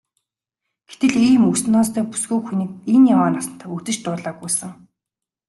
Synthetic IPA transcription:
ɡ̥et̪ɘ̆ɮiːmɵsnɔːst̪ʰœːpu̥sɡoːkxuniːk̚enjamaːnasə̆n̥t̪ʰaːɵt̪ɘ̆t͡ɕt̪ʊːɮaːɡujsə̆ŋ

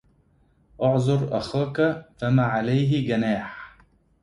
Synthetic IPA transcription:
ʔʊʕzˤʊɾʔa̰xaːkafamaːʕalajɦɪɡanaːħ

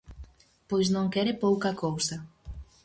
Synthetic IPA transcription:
pojznõŋkɛɾɪpowkɐkowsɐ

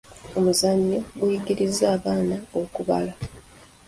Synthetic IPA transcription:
o̞muzaɲːo̞ɡujiɡiɾizːaːβaːnao̞kuβa̰la

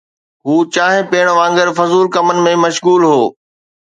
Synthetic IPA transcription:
ɦuːt͡ɕaːɦɪ̃peːɽ̃ʋãːŋɡəɾfɐzuːlkɐmənɪ̆mẽmɐʃɣuːlɦoː

